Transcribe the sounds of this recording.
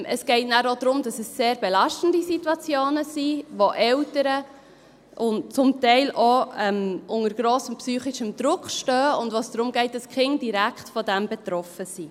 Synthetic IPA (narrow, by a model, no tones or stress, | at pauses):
ʔəsɡ̥ɛɪtnæːɾodɾʊmd̥ɑsəsːeːɾbelɑʃtən̩disitwɑt͡sjoːnəsiʋoʔɛwtəɾə | ʔʊnt͡sʊmtɛɪlʔoɛmʔʊŋəɾɡ̥ɾoːsəmpsyːχɪʃəmd̥ɾʊkχʃtœːʊndʋoːsd̥ɾʊmɡɛɪt̚d̥ɑskχɪŋd̥iɾækχtfɔdæmbɛt̪ɾɔfəsi